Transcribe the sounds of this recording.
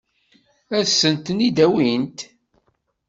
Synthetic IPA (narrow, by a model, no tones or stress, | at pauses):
æsːənt̪nid̪æwint̪